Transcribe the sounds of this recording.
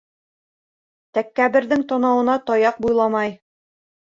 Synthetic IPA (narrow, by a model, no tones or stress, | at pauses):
t̪ækːæbɘ̆ɾðɘŋt̪ɒnɑwɤ̆nɑt̪ɒjɑq̚bujlˠɑmɑj